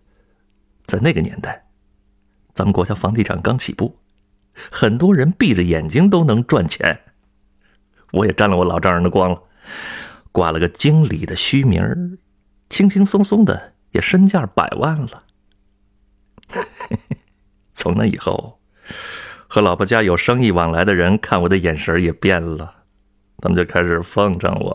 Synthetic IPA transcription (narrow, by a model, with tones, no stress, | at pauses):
t͡sa˥˧ɪne˥˩ɪɡə˩njɛ̰˧˥nt̪a˥˩ɪ | t͡sa˧˥mə˨nkwɔ˧˥t͡ɕja˥˩fɑ˧˥ŋt̪i˥˩ʈ͡ʂʰɑ̰˨˩ŋkɑ˥ŋt͡ɕʰḭ˨˩pu˥˩ | xə˨˩nt̪wɔ˥ɻə˧˥npi˥˩ʈ͡ʂə˨˩jɛ˨˩nt͡ɕi˥ŋt̪̬o˥ʊnɤ˧˥ŋʈ͡ʂwa˥˩nt͡ɕʰjɛ̰˧˥n | wɔ˧˥jɛ˨˩ʈ͡ʂa˥˩nlə˧wɔ˧˥lɑ˨˩ʊʈ͡ʂɑ˥ŋɻə˧˥nd̪ə˧kwɑ˥ŋlə˨ | kwa̰˨˩lə˧ɡə˧t͡ɕi˥ŋli˨˩d̪ə˦ɕy˥mḭ˞˧˥ | t͡ɕʰi˥ŋt͡ɕʰi˥ŋsʊ˥ŋsʊ˥ŋd̪ə̰˨ | jɛ˨˩ʂə˥nt͡ɕja˥˩pa̰˨˩ɪwʔa˥˩nlə˩ | t͡sʰʊ˧˥ŋna̰˧ḭ˨˩xo̰˥˩ʊ | xɤ˧˥lɑ˨˩ʊpʰɔ˧˥t͡ɕja˥jo˨˩ʊʂɤ˥ŋi˥˩wɑ˨˩ŋla˧˥ɪd̪ə˧ɻə˧˥nkʰa˥˩nwɔ˨˩d̪ə˧jɛ˨˩nʂə˧˥jɛ˨˩pjɛ˥˩nlə˩ | t̪ʰa˥mə˧˩t͡ɕjo˥˧kʰa˥ɪʂɻ̩˨˩fɑ˥˧ŋʈ͡ʂɑ̰˥˩ŋwɔ̰˨˩˦